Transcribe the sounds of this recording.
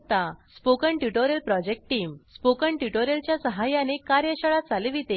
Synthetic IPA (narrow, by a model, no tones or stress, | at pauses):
t̪aspokəɳʈjuʈoɾjəlpɾɔd͡ʑek̚ʈʈiːmspokəɳʈjuʈoɾjəlt͡ɕjasəɦajãnekaɾjəɕəɭat͡saleʋit̪e